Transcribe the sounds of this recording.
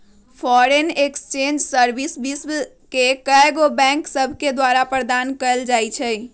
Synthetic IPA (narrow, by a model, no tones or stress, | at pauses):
pʰɔɾenekst͡ʃend͡ʒsəɾbisbisb | kekəɡobɛ̃ŋksəbʱked̪waɾapɾəd̪ankəld͡ʒajt͡ʃʰə